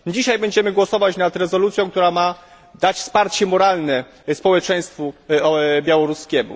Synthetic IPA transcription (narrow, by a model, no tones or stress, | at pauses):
d͡ʑiɕajbɛɲd͡ʑɛmɘɡwɔsɔvat͡ɕnat̪ɾɛzɔlut̪sʲjɔ̃w̃k̚t̪uɾama | d̪at͡ɕfspaɾt͡ɕɛmɔɾalnɛ | spɔwɛt͡ʂɛj̃st̪fu | bʲjawɔɾuskʲɛmṵ